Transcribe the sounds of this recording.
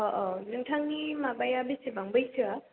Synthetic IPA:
ɔʔɔlɯŋtʰaŋnimabajabisebaŋbɯjsʰɯa

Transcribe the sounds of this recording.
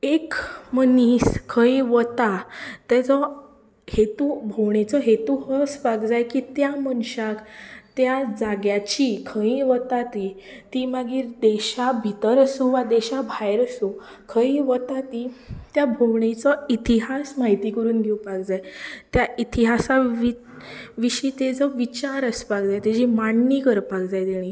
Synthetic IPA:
ekməniskʰəĩʋət̪at̪jat͡sɔ | het̪ubʱowɳet͡sɔɦet̪uɦəsʋaɡd͡zajkit̪jamənɕakt̪jad͡zaɡjat͡ɕikʰəĩʋət̪at̪i | t̪imaɡiːɾd̪eɕabʱit̪əɾəsuʋad̪ɛɕabʱajɾəsu | kʰəĩʋət̪at̪it̪jabʱowɳet͡sɔit̪iɦasmaɦit̪ikəɾuːnɡʱewpakd͡zajt̪jait̪iɦasaʋi | ʋiɕiːt̪ed͡zəʋit͡ɕaɾəspakd͡zajt̪ed͡ʑimaɳːikəɾpakd͡zajt̪eɽ̃i

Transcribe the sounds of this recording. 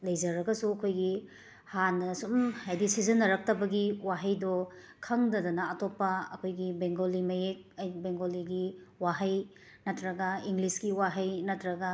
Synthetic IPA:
lɐjd͡ʒɐɾɐɡɐsuɐkʰojɡi | hanːɐsumhajdisizɐnːɐɾɐk̚tɐbɐɡiwaɦɐjdɔ | kʰɐŋdɐdɐnɐɐtopːɐɐkʰojɡibeŋɡolimɐjek̚jbeŋɡoliɡiwaɦɐj | nɐtɾɐɡɐiŋɡlisɡiwaɦɐjnɐtɾɐɡɐ

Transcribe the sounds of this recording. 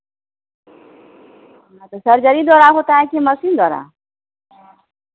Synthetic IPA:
nat̪əsəɾd͡ʒəɾiːd̪ɔːɾaːɦoːt̪aːɛ̃keməsiːnd̪ɔːɾa̰ː

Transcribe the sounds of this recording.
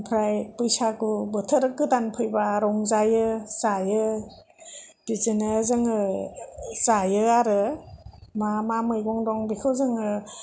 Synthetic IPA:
pʰɾajpɯjsakubɯtʰəɾɯkɯdanpʰɯjbaɾɔŋzajɯzajɯ | d̥izinɯzɯŋɯ | zajɯaɾɯ | mamamɯjɡɔŋdɔŋbikʰɯzɯŋɯ

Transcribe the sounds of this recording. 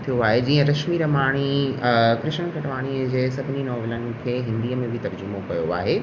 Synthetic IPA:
t̪ʰijoaːɦed͡ʑiːə̃ɾɐʃmiɾɐmaːɽ̃i | kɾɪʃñkʰɐʈʋaːɽ̃id͡ʑeːsɐbʱɪninɔːʋɪlənɪ̆kʰeːɦɪ̃nd̪iːəmẽbʱɪt̪ɐɾd͡ʑʊmokɐjoa̰ːɦe

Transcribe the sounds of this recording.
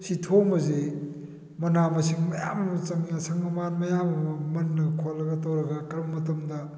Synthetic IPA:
sitʰomɐze | mɐnamɐsiŋmɐja̰mɐmɐt͡ʃɐŋjasɐŋnɐmanmɐjamɐɐmɐnːɐɡkʰolːɐɡɐtɐwɾɐɡɐkɐɾbɐmɐtɐmdɐ

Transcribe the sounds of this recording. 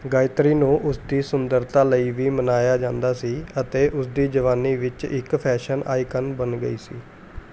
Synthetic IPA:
ɡaːɪt̪ɾiːnũːʔʊsd̪iːsʊnd̪əɾt̪aːləiːʋiːmənaːjaːd͡ʒãːnd̪aːsiːət̪eːʔʊsd̪iːd͡ʒəʋaːniːʋɪt͡ʃɪ̰kpʰɛːʃəna̰ːiːkənbənɡəiːsiː

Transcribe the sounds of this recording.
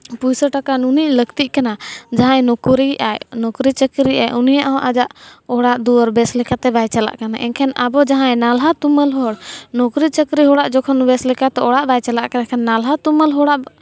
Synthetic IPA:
pujsəʈakanuniʔləkt̪iʔkanad͡ʒaɦãjnɔkɾia̰jnɔkɾit͡ʃəkɾiʔa̰jʔunijaʔɦɔ̃ʔad͡ʒaʔɔɽaʔd̪uɔɾbɛslɛkat̪ɛbajt͡ʃala̰ʔkanaʔɛ̰̃ŋkʰɛnabɔd͡ʒaɦãjnalɦat̪uməlɦɔɽnɔkɾit͡ʃəkɾiɦɔɽaʔd͡ʒɔkʰɔnbɛslɛkat̪ɛɔɽaʔbajt͡ʃalaʔkanakʰɛnːalɦat̪uməlɦɔɽaʔ

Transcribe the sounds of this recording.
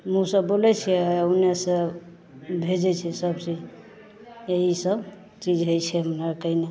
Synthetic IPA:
mũsəbolɛt͡ʃʰɛnesə̃ | bʱed͡ʒɛt͡ʃʰɛsəbt͡ʃi | eɦisəb | t͡ʃid͡ʒɦojt͡ʃʰɛɦəmnaɾkəɦine

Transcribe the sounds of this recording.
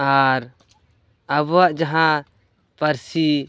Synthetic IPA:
aɾ | əbaʔd͡ʒaɦã | pəɾsi

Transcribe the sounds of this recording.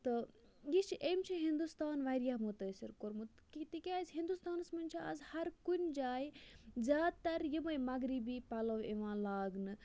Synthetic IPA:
t̪ɨ | jit͡ʃʰʔeːmt͡ʃʰiɦind̪ust̪aːnʋɐɾijaɦmut̪ɐsiɾkoɾmut̪kit̪ikʲaːzɦind̪ust̪aːnsmɐnʲt͡ʃʰiɐ̰zhɐɾkunʲd͡ʒaːjzʲjaːd̪t̪ɐɾjimɐjmɐɡɾibiːpɐlɐʋeʋãːlaːɡnɨ

